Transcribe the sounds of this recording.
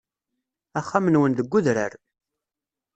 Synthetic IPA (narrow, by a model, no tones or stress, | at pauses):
æχːamənwənðəɡʷːuðɾə̰ɾ